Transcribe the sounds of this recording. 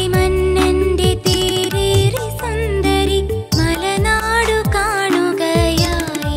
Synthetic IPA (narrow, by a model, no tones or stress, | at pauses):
mɐnːɐnɖet̪eːɾeɾisɐnd̪ɐɾimɐlɐnaːɽukaːɳuɡɐjaːi